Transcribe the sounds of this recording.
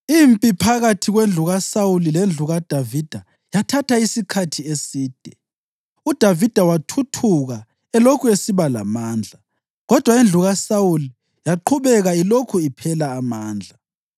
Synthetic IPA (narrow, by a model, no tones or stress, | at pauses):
impʼipʰaɣatʰiɣwend͡ɮʱuɣasawulilend͡ɮʱuɣad̥ʱavid̥ʱa | jatʰatʰaisikʰatʰiesiːd̥ʱɛ | ud̥ʱavid̥ʱawatʰutʰuɣa | ɛlokʰuesiβala̰maːnd͡ɮʱa | ɣɔd̥ʱwaend͡ɮʱuɣasawuli | jaǃʰuβɛɣailokʰuipʰɛlaːmaːnd͡ɮʱa